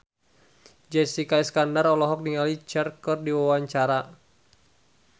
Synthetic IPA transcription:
d͡ʒɛsikajskandarɔlɔɦɔk̚niŋalit͡ʃɛrkɔrdiwawaɲt͡ʃaɾa

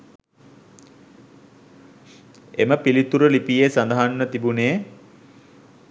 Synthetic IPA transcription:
ḛməpilit̪uɾəlipijesand̪ɐɦanːət̪ibuneː

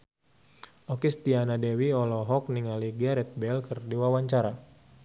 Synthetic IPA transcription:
ɔkist̪ianadɛwiɔlɔɦɔk̚niŋaliɡaɾɛt̪̚bɛlkɨrdiwawaɲt͡ʃaɾa

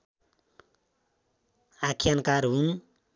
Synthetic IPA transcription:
akʰjankaɾun

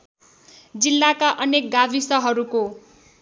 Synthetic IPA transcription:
d͡zilːakaʔʌnek̚ɡabʱisʌɦʌɾuko

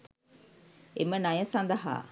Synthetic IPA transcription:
emənɐjəsɐnd̪ɐɦa̰ː

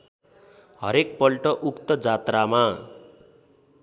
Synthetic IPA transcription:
ɦʌɾek̚pʌlʈʌʔukt̪ʌd͡zat̪rama

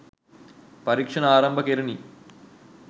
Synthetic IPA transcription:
pɐɾiːkʂɐnɐaːɾɐmbʱɐkeɾini

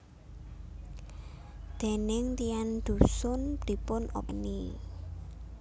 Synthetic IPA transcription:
d̪̥e̤nɪŋt̪ijand̪̥ṳsʊnd̪̥i̤pʊno̰ni

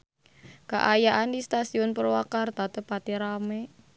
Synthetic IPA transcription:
ka̰ʔajaʔandist̪asiɔnpərwakart̪at̪əpat̪iɾame

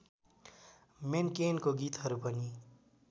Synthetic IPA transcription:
menkenkoɡit̪ɦʌɾupʌni

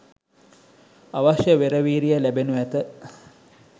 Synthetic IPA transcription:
aʋaʃjəʋeɾəʋiːɾijəlæbenuʋæt̪ə

